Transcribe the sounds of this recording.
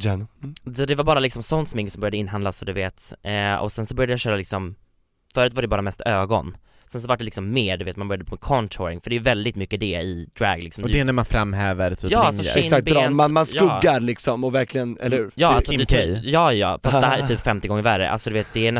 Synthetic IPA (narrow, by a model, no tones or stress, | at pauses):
ɔd̪ɛvaɾbɑːɾalɪksɔmsɔnt̪sɔmɪŋːsɔmbœɾjad̪əɪnːɦand̪lasɔd̪ɵveːt̪ːɔ̰sɛnsɔbœɾjad̪əjaɕøːɾalɪksɔm | fœːɾʉ̟t̪vaɖɛbɑːɾamɛst̪øːɡɔ̰n | sɛns̬ɔvaʈ̚ɖɛlɪksɔmːeːɾɖɵveːt̪manbœɾjd̪əpʰːmɛkʰɔnt̪ʰɔɾɪŋfœɖɛjɵvɛld̪ɪt̪mʏkːəd̪ɛɪd̪ɾæ̰ɡlɪksɔmdɛɛɛnæɾmanfɾamːɦɛːvəɾt̪ʰyːjɑːalsɔsakt̪manmansjɵɡːaɾlɪksɔmɔvæɾklɪɡənɛ̰lːəhʉːɾjɑːalsʰɛjɑːjɑ̰ːfastt̪d̪ɛhæːɾɛɾt̪yːpfɛmt̪ɪɡɔŋːəɾvæɾə̰ʔa̰lsɔd̪ɵveːt̪̚d̪ɛːnɛ